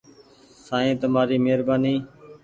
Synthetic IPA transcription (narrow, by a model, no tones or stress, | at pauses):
sãːẽːt̪əmaːɾiːmeːɾbaːniː